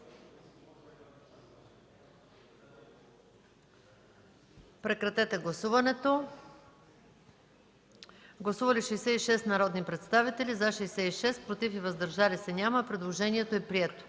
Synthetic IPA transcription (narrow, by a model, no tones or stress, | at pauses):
pɾɛkɾɐt̪ɛt̪ɛɡlˠɐsuvɐnɛt̪o | ɡlˠɐsuvɐlʲiʃɛjsɛiʃɛst̪nɐɾɔd̪nipɾɛt̪st̪avit̪ɛlizaʃɛjsɛiʃɛspɾot̪ifivɐzd̪ɐɾʒalisɛnʲamɐpɾɛd̪lˠoʒɛniɛt̪oɛpɾiɛt̪o̥